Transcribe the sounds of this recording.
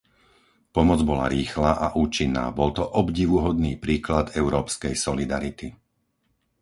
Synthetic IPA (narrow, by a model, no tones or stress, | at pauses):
pɔmɔd͡zbɔla̰ɾiːxlaːʔaʔuːt͡ʃinːa̰ːbɔlt̪ɔʔɔbɟiʋuɦɔd̪niːpɾiːklad̪ɛʊɾɔːpskɛjsɔlid̪aɾit̪i